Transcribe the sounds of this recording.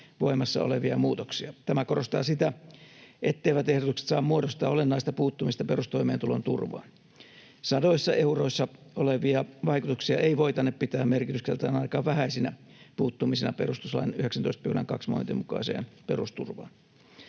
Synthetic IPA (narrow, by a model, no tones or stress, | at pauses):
ʋoimɑsːɑ̰o̰leʋiɑmuːt̪oksiɑt̪æmækorost̪ɑ̰ːsit̪æ | ʔet̪ːeiʋæt̪ehɾot̪ukse̥t̪sɑːmmuoɾost̪ɑːolenːɑist̪ɑpuːt̪ːumist̪ɑperust̪oimeːt̪ulont̪ṵrʋɑ̰ːn | sɑdoisːɑeuroisːɑoleʋiɑʋɑikut̪uksiɑeiʋoit̪ɑnːeppit̪æːmmerkit̪yskelt̪ɑːnɑikɑːʋʋæhæisinæpuːt̪ːumisenɑ̰perust̪uslɑ̰nyheksænt̪oist̪piulnḛŋkɑksmo̰nt̪imukɑ̰isḛːnperust̪ṵrʋɑ̰ːn